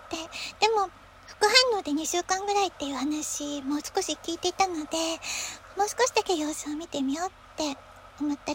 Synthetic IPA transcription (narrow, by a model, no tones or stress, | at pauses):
t̪e̞d̪̥e̞mo̞ | ɸɯ̟̥kɯ̟ɦãnːo̞ːd̪e̞ɲ̟iɕɨːkãŋɡɯ̟ɾait̪ːe̞jɯ̟ːhanaɕimo̞ːsɨ̥ko̞ɕikʲiːt̪eit̪ano̞d̪e̞mo̞ːsɨ̥ko̞ɕid̪ake̞jo̞ːsɨomʲit̪e̞mʲijo̞ːt̪ːe̞ | omot̪ːa